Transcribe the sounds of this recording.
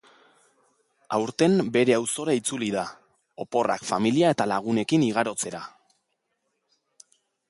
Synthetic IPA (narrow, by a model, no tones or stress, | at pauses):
awɾt̪e̞mbe̞ɾe̞awso̞ɾait͡suliða | o̞po̞ra̰kfamiliae̞t̪alaɣ̞une̞kiniɣ̞aɾo̞t͡se̞ɾa